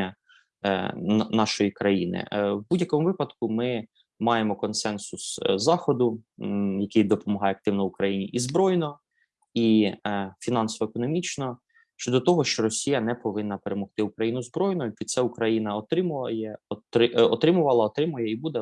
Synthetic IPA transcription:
ɐ | nɑʃɔjikɾɐjinɪ̰wbudʲjɐkɔmʊʋɪpɐd̪kʊmɪ | mɑjemɔkɔnsɛnsʊszɑxɔd̪ʊjɐkɪjd̪ɔpɔmɔɦɑjɛɐk̚t̪ɪwnɔʋʊkɾɐjinʲiʔizbɾɔjnɔ | i | fʲinɑnsɔʋɔekɔnɔmʲit͡ʃnɔ | ʃt͡ʃɔd̪ɔt̪ɔɦɔʃt͡ʃɔɾɔsʲijɐnɛpɔʋɪnːɐpeɾemɔxt̪ɪukɾɐjinʊzbɾɔjnɔipʲid̪t̪sɛukɾɐjinɐɔt̪ɾɪmjɛɔt̪ɾɪɔ̰t̪ɾɪmʊʋɐlˠɐɔt̪ɾɪmʊjɛibud̪ɛ

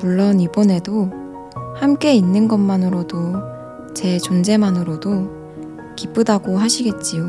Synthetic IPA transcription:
muɭːʌnibone̞do | hamk͈e̞inːɯnɡʌnmːanɯɾodo | t͡ɕe̞t͡ɕond͡ʑe̞manɯɾodo | kip͈ɯdaɡoɦaɕʰiɡe̞t̚t͡ɕ͈ijo

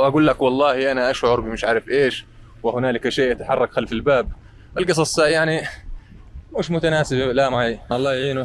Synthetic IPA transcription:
ʔaɡuːlːakwɑlˤːɑːhiʔanaʔaʃʕʊɾbimɪʃʕaːɾˤɪfʔeːʃ | wɪhʊnaːlɪkaʃeːʔat̪aħɑ̰rˤːɑkxalfɪlbaːb̚ | ɪlɡɨsˤɑsˤajaʕni | mʊːʃmʊt̪anaːsɪbalamaʕaʔɑlˤːɑːjʕiːnʊ

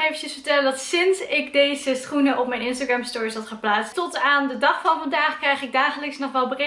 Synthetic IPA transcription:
ejfəəsfəɹtɛlədɑtsɪnsɪkdejzəsrunəʔɔpmɛjnɪns̬taɡrɛmstʊːɹisɦɑtχəplaːtstɔtaːndədɑχfɑnvɑndaːχkrɛjχɪɡ̚daːχələksnɔχʋɛlˠbərɪ

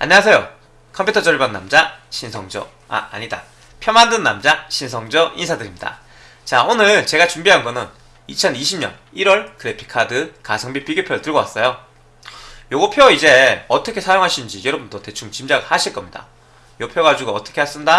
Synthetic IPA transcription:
a̰ɲʌwasʰe̞jo | kʰʌmpʰjutʰʌd͡ʑʌɭbaŋnamd͡ʑaɕʰinsʰʌŋd͡ʑʌ | a̰a̰ɲida̰ | pʰjʌmandɯnːamd͡ʑaɕʰinsʰʌŋd͡ʑʌʔinsʰadɯɾimɲida̰ | t͡ɕaonɯɭɭt͡ɕe̞ɡat͡ɕumbiɦanɡʌnɯn | it͡ɕʰʌniɕʰimɲʌ̰n | iɾwʌɭkɯɾe̞pʰi̥kʰadɯkasʰʌŋbipiɡjopʰjoɯɭtɯɭɡʌwas͈ʌjo | joɡopʰjoid͡ʑe̞ʌt͈ʰʌkʰe̞sʰajoŋɦaɕʰinɯnd͡ʑijʌɾʌbundote̞t͡ɕʰuŋt͡ɕimd͡ʑaɡɯɭhaɕʰiɭk͈ʌmɲida̰ | jopʰjoɡad͡ʑuɡoʌt͈ʰʌkʰeas͈ɯmɲida

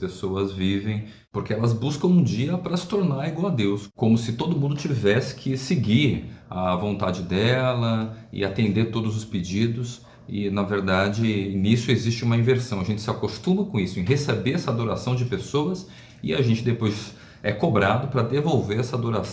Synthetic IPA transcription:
pesoɐzvivẽj̃ | poɾkeɛlɐzbuskɐ̃w̃ũd͡ʒiɐpɾɐsɪ̥t̪oɾnaɾiɡwawɐd̪ewskõmʊsɪt̪od̪ʊmũnd̪ʊt͡ʃivɛsɪ̥kʰɪsɪɡiɐvõnt̪ad͡ʒɪd̪ɛlɐɪ̰at̪ẽnd̪eɾt̪od̪ʊzʊsped͡ʒid̪ʊs | ɪ̰nɐveɾd̪ad͡ʒɪnisʊezist͡ʃɪũmɐĩveɾsɐ̃w̃ɐʒẽnt͡ʃɪ̥sɪakost̪ũmɐkõisʊẽɦesebeɾɛsɐad̪oɾasɐ̃w̃d͡ʒɪpesoɐs | ɪaʒẽnt͡ʃɪd̪epojz | ɛkobɾad̪ʊpɾɐd̪evowveɾɛsɐad̪oɾas

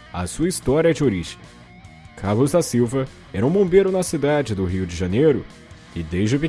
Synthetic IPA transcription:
ɐ̰suɐist̪ɔɾiɐɛd͡ʒɪoɾiʒẽ̥ | kʰaɾlʊzd̪ɐsiwvɐ | ɛɾɐũbõbeɾʊnɐsid̪ad͡ʒɪd̪ʊɦiʊd͡ʒɪʒɐnejɾʊ | ɪd̪ejzd͡ʒɪʊpi

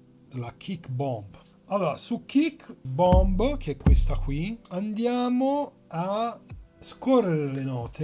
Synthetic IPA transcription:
lak̟ʰikbɔmb | alːoːɾasukːikːbɔmbk̟eɛkːwest̪akwiand̪jaːmo | a | skorːeɾelenɔːt̪ʰe

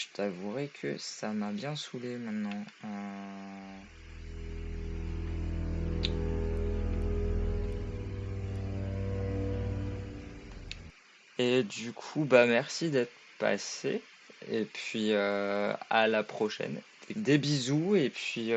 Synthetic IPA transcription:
ʒət̪ʰavuʁɛkʰə̰samabjɛ̃sulemɛ̃t̪nɑ̃ | ø | ed̪ykʰubamɛʁsid̪ɛt̪χ | pa̰sḛ | epɥiøa̰lapχɔʃɛ̰ned̪ebizuepɥi

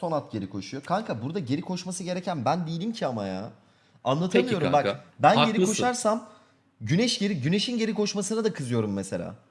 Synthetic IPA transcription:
so̞nat̪̚ɟe̞ɾikʰo̞ʃujo̞kʰaŋkʰabuɾd̪aɟeɾikʰo̞ʃmasɯɟe̞ɾɛcʰænbænd̪ijilʲimcʰiamaja̰ | anlˠat̪ʰɯlmijo̞ɾumbakbænɟe̞ɾikʰo̞ʃaɾsam | ɟynɛʃɟe̞ɾiɟyne̞ʃinɟe̞ɾikʰo̞ʃmasɯnad̪akʰɯzɯjo̞ɾumːese̞̰lʲa̰ː

